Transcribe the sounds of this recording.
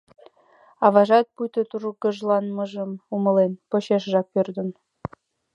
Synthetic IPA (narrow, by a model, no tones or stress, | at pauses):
ɑβɑʒɑt̪̚pujt̪ot̪uɾukəʒlɑnməʒəmumə̆lenpoɕeʃʒɑk̚pørd̪ə̆n